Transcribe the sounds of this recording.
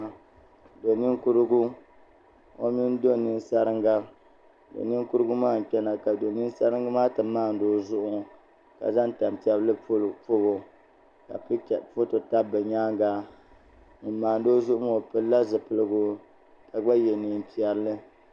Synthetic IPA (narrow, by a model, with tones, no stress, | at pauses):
do˨ni˦ŋ˦ku˦ɾɨ˦ɡu˦ | o̰˦mi˦n˦do˦nɨ˦n˦sa˦ɾɨ˦ŋɡa˦ | do̰˨ni˦ŋ˦ku˦ɾɨ˦ɡu˦maː˦˨n̩˨k͡pʲɛ˦na˨ka˨do˨ni˦n˦sa˦ɾɨ˦ŋ˦ɡa˦maː˦tɨ˨˦maː˦˨n̩˦doː˦zʊ˦ʔʊ˦ | ka̰˨za˦n˦ta˨m˨pi˨ɛ˦blɨ˦˨po˦bo˨ | ka̰˨pfo˦to˨ta˦bɨ˨ɲaː˦ŋɡa˦ | nɨ˨˦maː˨n˨doː˦zʊ˦ʔʊ˦ŋ˦o˨pɨ˦la˦zɨ˨pɨ˦lɨ˦ɡu˦ | ka˨ɡ͡ba˦jɛ˨ni˨˦m˦pi˨ɛ˨ɾlɨ˦